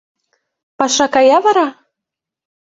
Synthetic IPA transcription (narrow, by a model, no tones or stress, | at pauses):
pɑʃɑkɑjɑvɑɾɑ